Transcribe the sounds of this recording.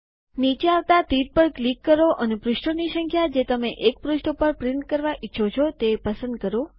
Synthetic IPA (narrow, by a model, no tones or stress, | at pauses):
nit͡ʃeaʋt̪at̪iɾpəɾklikːəɾoʔənepɾʊʃʈonisəŋkʰjad͡ʒet̪əmeʔek̚pɾʊʃʈəpəɾpɾɪɳʈ̚kəɾʋaʔitːʃʰot͡ʃʰot̪epəsə̃nd̪̚kəɾo